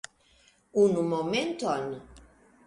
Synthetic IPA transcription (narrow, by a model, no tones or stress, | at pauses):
unumɔmẽnt̪ɔni